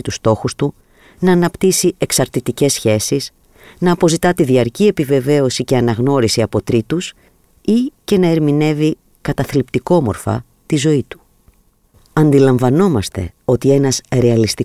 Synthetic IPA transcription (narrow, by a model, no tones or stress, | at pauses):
t̪ust̪o̞xust̪u | nɐːnɐpt̪isie̞ksɐɾt̪it̪ice̞sçe̞sis | nɐːpo̞zit̪ɐt̪iðiɐɾcie̞pive̞ve̞o̞sice̞ɐnɐɣno̞ɾisiɐpo̞t̪ɾit̪us | ice̞nɐe̞ɾmine̞vi | kɐt̪ɐθlipt̪iko̞mo̞̰ɾfɐ̰ | t̪izo̞it̪u̥ | ɐnd̪ilɐɱvɐno̞mɐst̪e̞̰o̞t̪ie̞nɐzɾe̞ɐlist̪i